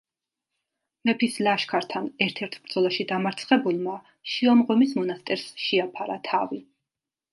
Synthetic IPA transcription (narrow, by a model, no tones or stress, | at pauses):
mɛpʰislaʃkʰaɾt̪ʰanɛɾt̪ʰɛɾt̪ʰb̥ɾd̪zɔlˠaʃid̪amaɾt̪sʰχɛbulˠma | ʃiɔmʁwɛmismɔnast̪ʼɛɾsʃiapʰaɾat̪ʰavi